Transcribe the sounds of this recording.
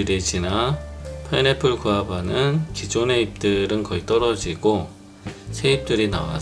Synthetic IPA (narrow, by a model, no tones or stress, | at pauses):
ɾed͡ʑinapʰanepʰɯɭkuabanɯnkid͡ʑone̞ip̚t͈ɯɾɯnkʌit͈ʌɾʌd͡ʑiɡo | sʰe̞ip̚t͈ɯɾina̰wa̰